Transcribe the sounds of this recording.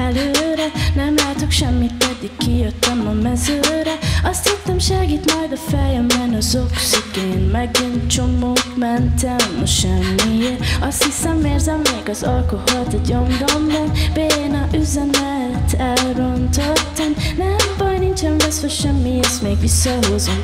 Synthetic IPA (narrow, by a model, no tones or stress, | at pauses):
ɛløːɾɛnɛmlɛːt̪okʃɛmːit̪kɛd̪ːikːijøt̪ːɛmɒmɛzøːɾɛɒst̪hit̪ːɛmʃɛɡiːt̪mɒjd̪ɒfɛjɛmːɛnɒzoksikeːnmɛɡint͡ʃomoːkmɛnt̪ɛmːɒ̰ʃɛmːieɾɒst̪hisɛmːeːrzɛmːeːɡɒzɒlkoholt̪ɛɟombombɔnbeːenɒʔyzɛmɛlt̪ɛlront̪ot̪ːɛmnɛmbɒjnint͡ʃɛnvɛsoʃɛmːijeʃmeːɡʋisːɒɦozom